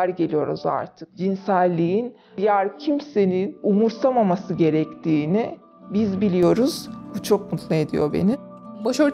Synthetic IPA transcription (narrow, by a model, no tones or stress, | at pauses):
ɾɟelʲijo̞ɾuza̰ɾt̪ʰɯ̥k̚d͡ʒinsælʲːiin | ijæɾcʰimse̞ninumuɾsamamasɯɟe̞ɾɛct̪ʰiːni | bizbilʲijo̞ɾuz̥but͡ʃʰo̞k̚mut̪ʰlˠɯe̞d̪ḭjo̞bḛni | boʃoɾ